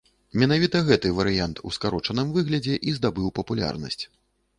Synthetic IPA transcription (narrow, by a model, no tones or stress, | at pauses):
mʲɛnavʲit̪ɐɣɛt̪ɨvɐɾɨjant̪ʰṵskaɾɔt͡ʂɐnɨmvɨɣlʲɐd͡zʲɛʔizd̪abɨwpɐpulʲa̰rnɐ̰sʲt͡sʲ